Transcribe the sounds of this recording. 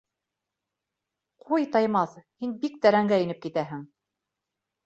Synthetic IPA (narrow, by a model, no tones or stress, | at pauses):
qʰujt̪ɑjmɑθhinbik̚t̪æɾæŋɡæɘ̆nɘp̚kit̪æɦɘŋ